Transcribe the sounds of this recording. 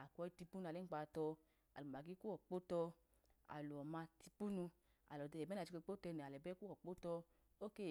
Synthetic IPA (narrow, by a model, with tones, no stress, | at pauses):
a˨kʷɔ˧i˧ti˧pu˦n˧a˨le˦k͡pa˧˨tɔ˧ | a̰˨lu˨m˨a˨ɡi˦ku˦ɔ˨k͡po˦tɔ˧ | a̰˨lu˨ɔ˨ma˧ti˧pu˦nu˧ | a̰˨lɔ˨dɛ˧˨ɛ˨ɛ˦n˦a˨t͡ʃi˧ko˧˦k͡po˦tɛ˧nɛ˨lɛ˨bɛ˦ku˦ɔ˨k͡po˦tɔ˧ | o˦ke˦˨